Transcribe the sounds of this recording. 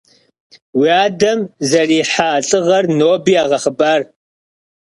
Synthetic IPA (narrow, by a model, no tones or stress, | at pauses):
wiaːdɐmzɐriːħaːɬʼɨʁɐrnoːbiːaːʁɐχəbaːr